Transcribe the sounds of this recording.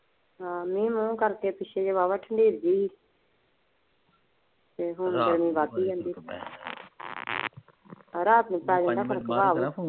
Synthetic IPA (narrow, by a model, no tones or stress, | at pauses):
ɦãːmĩːmũːkəɾk̪eːpɪʃʰeːd͡ʒeʋaːʋaːʈʰəɳɖiːɾd͡ʒiː | t̪eːɦʊnɡəɾmĩːbaːt̪iːd͡ʒãːnd̪iː | əɾaːt̪nũːpɛːd͡ʒə̃nd̪aːpəɾkbaːʋoː